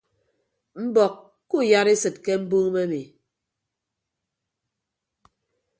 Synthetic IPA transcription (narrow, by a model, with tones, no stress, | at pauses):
m̩˦bɔ˨kː | u˦˨ja˦ɾe˦sɨ˨t̚ke˦m̩˦bu˦ŋ˦me˦mi˨